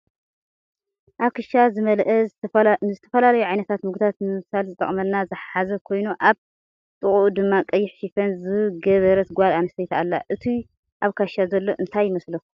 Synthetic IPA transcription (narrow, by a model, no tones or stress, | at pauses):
ʔakɨʃazɨmɐlʔɐ | zɨt̪ʰɐ̥fɐlalɐjuʕajnɐt̪ʰat̪mɨɡ̪ʰat̪nɨsalzɨt̪ʼɐ̰χʼmɐlnazɨħħazɐkʰo̞jnuʔaβ | t̪ʼɨχʼuʔd̪ɨmːakʼɐjːɪħʃifɐnzɨɡɐβɐɾɐt̪ɡʷalanɐsɐjt̪ʰa̰lːa̰ʔɨt̪ʰi | ʔaβkʰaʃazɐlːo̞ʔɨnt̪ʰajːɪmɐslo